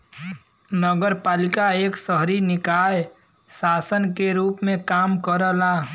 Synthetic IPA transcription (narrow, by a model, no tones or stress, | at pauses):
nəɡəɾpaːlɪkaeːksəɦɾinɪkaːj | saːsənkeɾuːpmẽkaːmkəɾəlaː